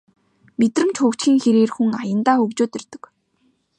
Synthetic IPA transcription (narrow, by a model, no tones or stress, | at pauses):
met̪rɘ̆mt͡ɕxʊːkt͡ɕɡiːŋxeɾeːrxuŋajə̆nt̪aːɵkt͡ɕoːt̪ert̪ə̥̆k